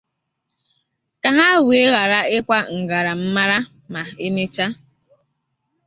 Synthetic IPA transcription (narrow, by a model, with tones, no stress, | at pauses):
ka˨ɦa˦we˨˦ɣa˨ɾa˦ɪ˦kʷa˦ŋ̩˨ɡa˨ɾa˨m̩˦ma˦ɾa˦ | ma˨e˦me˦t͡ʃa˦